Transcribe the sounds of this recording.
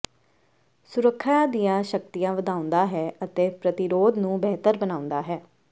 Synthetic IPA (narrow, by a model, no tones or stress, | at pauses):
sʊɾəkʰːad̪ijãːʃək̚t̪ijãːʋəd̪aːʊ̃nd̪aːɦɛːət̪eːpɾət̪ɪɾoːd̪nũːbɛːt̪əɾbənaːʊ̃nd̪aːɦɛː